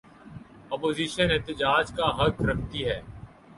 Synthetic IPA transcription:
ɔːpoːziːʃənɪt̪ɪd͡ʒaːd͡ʒkaɦɐkɾɐkʰt̪iɦɛː

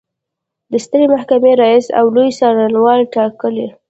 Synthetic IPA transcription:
d̪əst̪əɾemahkameɾɑisa̰wlojsɑɾanwɑlʈɑkəle

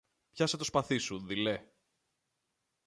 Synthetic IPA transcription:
pçɐset̪o̞spɐθisuðile

